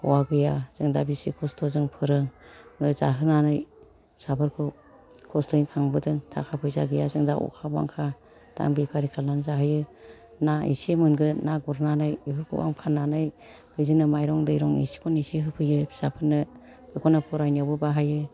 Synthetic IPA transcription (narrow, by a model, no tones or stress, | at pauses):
kɔwaɡɯjaz̥ɯŋdabisikʰɔstʰɔzɯŋpʰɯɾɯŋɯza̰ɦɯnanɯj | sabɯɾkʰɯ | kʰɔstʰɔinkʰaŋbɯdɯŋtʰa̰kʰapʰɯjza̰ɡɯjazɯŋda̰ʔṵkʰaba̰ŋkʰa | d̥a̰ŋbipʰaɾikʰalanzaɦɯjɯ | naḭsemɯnɡɯnaɡuɾnanɯjiɦɯɾkʰɯ̰ba̰ŋpʰanːanɯj | ɡ̥ɯjzinɯmajɾɔŋdɯjɾɔŋḭsi̥kʰɔnisiɦɯpʰɯjɯbʰi̥sapʰɯɾnɯ | b̥ɯkʰɔnɯpʰɔɾajnawbɯbaɦajɯ